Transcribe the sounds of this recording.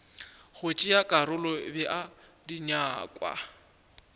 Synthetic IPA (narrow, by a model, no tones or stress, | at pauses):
ɣʊt͡ʃʼɪjakʼaɾʊlɔbɛʔa | diɲaːkʼwa̰